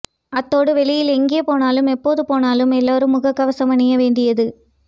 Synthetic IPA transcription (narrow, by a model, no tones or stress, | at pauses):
ɐt̪ːoːɽɯʋɛlɪjɪlɛŋɡɪjɐpoːnaːlɯmɛpːoːðɯpoːnaːlɯmɛlːaːɾɯmːʊɣɐkːɐʋɐsɐmɐnɪjɐʋeːɳɖɪjɐðɯ